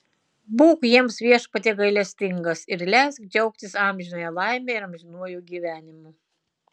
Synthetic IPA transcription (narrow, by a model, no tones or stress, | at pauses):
buːkjiɛmsʋʲiɛʃpɐt̪ʲeːɡɐɪlʲɛsʲt̪ʲɪŋɡɐsɪɾlʲæskd͡ʒʲɛʊk̚t̪ʲɪsɑːˑmʲʒʲɪnoːjɛlˠɑɪmʲeːɪɾɐmʲʒʲɪnuɔjuːɡʲiːʋʲæːnʲɪmu